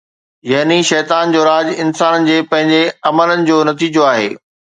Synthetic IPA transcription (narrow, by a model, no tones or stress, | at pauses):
jɐɦniʃɛːt̪aːnd͡ʑoːɾaːd͡ʑɪnsaːnənɪ̆d͡ʑeːpɐ̃ɦɪ̃ɲd͡ʑeɐmələnɪ̆d͡ʑoːnɐt̪iːd͡ʑoaːɦḛː